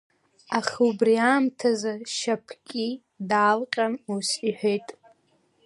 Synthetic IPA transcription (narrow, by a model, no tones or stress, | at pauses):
aχʲubriaːmtʰazaʃapʰkʲʼi | daːlqʲʼanusiħʷᶣejtʼ